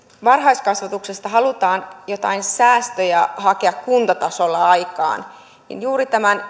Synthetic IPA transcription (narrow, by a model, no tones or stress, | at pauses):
ʋɑrɦɑiskɑsʋɑt̪uksest̪ɑɦɑlut̪ɑːnjo̞t̪ɑ̰insæːst̪øjɑhɑkeɑkkunt̪ɑt̪ɑsolːɑɑjkɑ̰ːn | nḭnjuːɾit̪æmæn